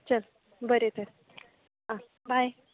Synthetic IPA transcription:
t͡ɕəl | bəɾet̪əɾ | ɦã | bʱaj

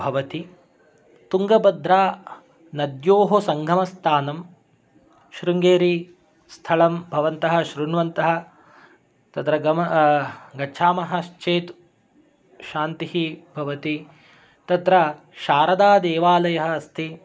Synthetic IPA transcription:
bʱɐʋɐt̪i | t̪uŋɡɐbɐd̪ʱɾaː | nɐd̪joːɦosɐŋɡʱɐmɐst̪ʰaːnɐm | ʃɾuŋɡeːɾi | st̪ʰɐɭɐmbʱɐʋɐnt̪ɐɦɐ̆ʃɾuɳʋɐnt̪ɐɦɐ̆ | t̪ɐt̪ɾɐɡɐm | ɡɐːʃʰaːmɐɦɐʃt͡ʃeːt̪ | ʃaːnt̪ihibʱɐʋɐt̪i | t̪ɐt̪ɾɐ | ʃaːɾɐd̪aːd̪eːʋaːlɐjɐɦɐ̆ːst̪ʰi

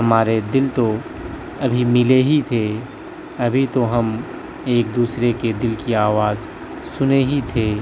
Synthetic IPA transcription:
ɦɐmaːɾed̪ɪlt̪o | ɐbʱimɪleɦit̪ʰe | ɐbʱit̪oɦɐm | eːk̚d̪uːsɾeked̪ɪlkiaːʋaːz | sʊneɦit̪ʰeː

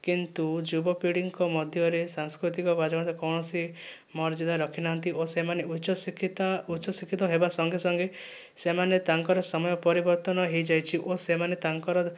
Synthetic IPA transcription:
kint̪ud͡ʒubɔpiɽiŋkɔmɔd̪ʱjɔɾesaŋskɾut̪ikɔɡad͡ʒɔɡɽ̃t̪akɔwɳɔsi | mɔɾd͡ʒɔd̪aɾɔkʰinaɦɔnt̪iʔosemaneuʃɔskʰt̪autːt͡ʃʰɔsikʰːit̪ɔɦebasɔŋɡesɔŋɡe | semanet̪aŋkɔɾɔsɔmɔjɔpɔɾibɔɾt̪ɔnɔɦejd͡ʒajt͡ʃʰiʔosemanet̪aŋkɔɾɔ

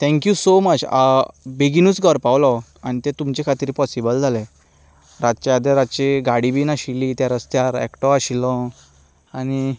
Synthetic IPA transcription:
t̪ʰɛ̃ŋkjusomət͡ɕ | beɡinuːt͡sɡʱəɾpawlɔ | añit̪et̪umt͡ɕekʰat̪iɾpɔsibəld͡zʱalɛ̃ | ɾat̪̚t͡ɕad̪əɾat̪t͡ɕeɡaɽibiːnaɕiliːt̪jaɾəst̪jaɾɛ̰kʈɔaɕilɔ̃ | añi

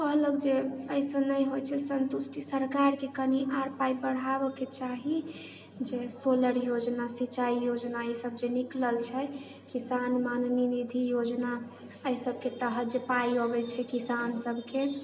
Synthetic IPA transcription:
kəɦləkd͡ʒeəisənːəjɦojt͡ʃʰɛsənt̪usʈʰisəɾkaɾkekəniʔaɾpaibəɽ̤abəket͡ʃaɦi | d͡ʒesoləɾjod͡ʒnasit͡ʃaijod͡ʒnaəisəbd͡ʒenikləlt͡ʃʰɛ | kisanmanninid̪ʱijod͡ʒna | əisəb̚ʱket̪əɦət̪d͡ʒepaiobɛt͡ʃʰɛkisansəbʱke

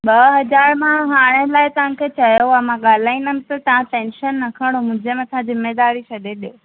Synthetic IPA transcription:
ɓɐɦɐd͡ʑaːɾmãɦaːɽ̃ẽlaːɪt̪ɐʋ̤ãkʰet͡ɕɐjoamãɠaːlaːinəmɪ̃t̪ɐt̪ɐɦãʈẽːnʃənːɐkʰəɽ̃omʊ̃ɪ̃d͡ʑemãt̪ɐãd͡ʑɪmed̪aːɾisɐɗeɗio

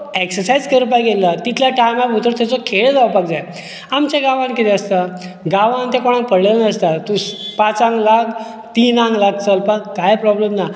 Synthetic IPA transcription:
eksəɾsajd͡zkeɾup̬ajɡelət̪it̪ʰljaʈajmabut̪əɾt̪at͡sɔkʰeɭd͡zaʋpakd͡zaj | amt͡ɕaɡãʋãnkit̪eəst̪a | ɡaʋãnt̪ekoɽ̃ãŋk̚pəɽlelnəst̪at̪uspat͡sãŋɡlak | t̪iːnãŋɡlaɡ̚t͡səlpaɡkajpɾɔblemna

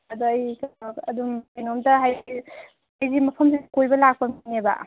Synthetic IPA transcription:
ɐduɐjkɐdumajnomdɐɦaji | hajzimɐpʰɐmsikojbɐlak̚pɐminebɐ̰

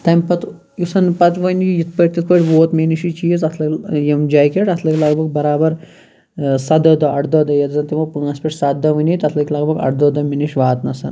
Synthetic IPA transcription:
t̪ɐmʲpɐt̪ | jisɐnpɐt̪ʋɐnijit̪ʰpɐʈ̚ʲt̪ʲit̪̚ʰpɐʈʲʋoːt̪miniʃit͡ʃiːzɐt̪ʰlɐkʲjɐmd͡ʒaːjkʲeʈɐt̪ʰlɐkʲlɐɡbɐɡ̚bɐɾaːbɐɾ | sɐd̪ɐd̪ɐɐʈd̪ɐd̪ɐjɐt̪zɐnt̪imɐpɨŋɐsʲpɐʈʰsɐt̪d̪ɐʋɐnʲit̪ɐt̪ʰlɐkʲlɐɡbɐɡɐ̰ʈd̪ɐd̪ɐminiʃʋaːt̪nɐsɐ̰n

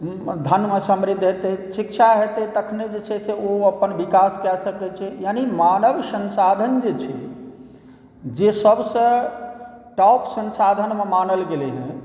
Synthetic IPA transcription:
d̪ʱənmesəmɾid̪ʱːɦet̪esikt͡ʃʰaɦet̪et̪əkʰned͡ʒet͡ʃʰɛseoəpːənbikaskɛsəkɛt͡ʃʰɛjanimanəʋsənsad̪ʱənd͡ʒet͡ʃʰɛ | d͡ʒesəbsə̃ | ʈɔpsə̃nsad̪ʱənmemanəlɡelɛɦɛ̰̃

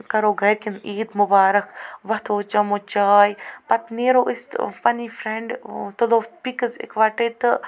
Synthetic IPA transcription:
kɐɾoːɡʱɐɾkiniːd̪mʊbaːɾɐkʰʋɐt̪ʰoːt͡ʃɐmot͡ʃaːjpɐt̪neːɾoːʔɪst̪fɐniːfɾeɳɖt̪uloːfpikəzḛkʰʋaːʈeːt̪ɨ

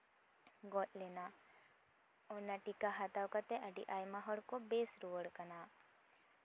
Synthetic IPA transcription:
ɡɔt̪lena | ɔnaʈikaɦat̪awkat̪eʔaɖḭʔajmaɦɔɽkobesɾuʋəɽkəna

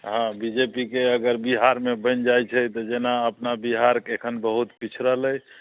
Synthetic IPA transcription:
ɦãbid͡ʒepikeəɡəɾbiɦaɾmebə̃nd͡ʒajt͡ʃʰɛt̪ɔd͡ʒenaəpnabiɦaɾkekʰənbəɦut̪pit͡ʃʰɾələj

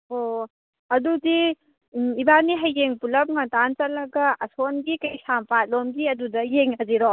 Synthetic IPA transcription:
o | ɐdudi | ibaniɦɐjːeŋpulɐp̚ŋɐtant͡ʃɐlːɐɡɐɐsonɡikɐjsampat̚lomɡiɐdudɐjeŋɦɐziɾɔ

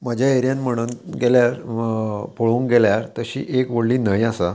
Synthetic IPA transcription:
məd͡ʑʱjaeɾjãnm̤əɽ̃unɡeljaɾ | pʰoɭũːŋɡeljaɾt̪əɕḭːʔekʋəɽliːnajasa

